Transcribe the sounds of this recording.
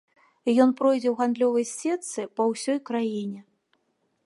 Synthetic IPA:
jɔnpɾɔjd͡zʲɛwɣand̪lʲɔvɐjsʲɛt̪sɨpɐwsʲɔjkɾajinʲɛ

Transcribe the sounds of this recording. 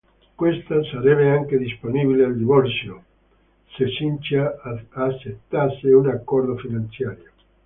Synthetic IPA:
kwest̪asaɾɛβeaŋked̪isponibileald̪iβɔɾsjo | sesint͡ʃaː | t͡ʃːet̪ːaseunakːɔrd̪ofinant̪sjaːɾjo

